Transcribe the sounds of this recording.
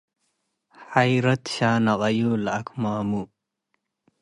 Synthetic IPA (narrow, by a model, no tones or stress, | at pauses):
ħajɾɐt̪ɕaːnɐqɐjulɐkmaːmu